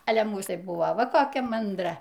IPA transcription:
ˈɑːlʲɛ ˈmuːs tɐɪ ˈbʊʋoː ˈʋɐ koːˈkʲɛ mɐnˈdrɐ

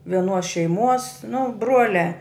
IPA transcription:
ʋʲiɛˈnuɔs ʃʲɛɪˈmuɔs nʊ ˈbruɔlʲæː

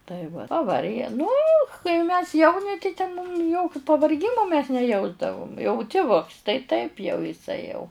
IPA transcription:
tɐɪ ʋɐ pɐˈʋɐrʲɡʲɛ nʊ kɐɪ mʲɛs ˈjɛʊnʲɪ tɐɪ tʲɛn mʊm ˈjoːkʲʊ pɐʋɐrʲˈɡʲɪmoː mʲɛs nʲɛˈjɛʊzdɐʋʊm jɛʊ tʲɪˈʋʊks tɐɪ tɐɪp jɛʊ ɪˈsɐɪ jɛʊ

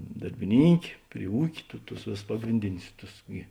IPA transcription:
dɐrʲbʲɪˈnʲiːŋʲkʲeː pʲrʲɪ ˈuːkʲeː tʊ tʊs ˈʋʲeːˌsʊs ˈpɑːɡrʲɪnʲdʲɪnʲʊs ˈtʊs ɡʲɪ

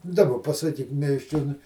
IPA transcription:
dɐˈbɐ pɐsɐˈkʲiːk mʲiɛsʲˈt͡ʃʲoːnʊɪ

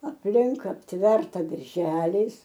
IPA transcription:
ɐpʲˈlʲɪŋk ɐpʲˈtʲʋʲɛrtɐ bʲɛrʲˈʒʲæːlʲɛɪs

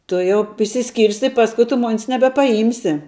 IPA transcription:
ˈtʊ jɛʊ ɪʃʲsʲɪˈsʲkʲiːrʲsʲɪ ˈpɑːskʊ tʊ ˈmoːnʲs nʲɛbʲɛpɐˈjiːmʲsʲɪ

